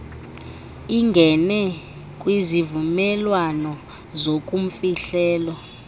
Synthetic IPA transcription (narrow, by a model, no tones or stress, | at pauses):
iŋɡʱɛnɛ | kʼwizivumɛlwanɔ | zok̬ʼum̩fiɬɛːlwɔ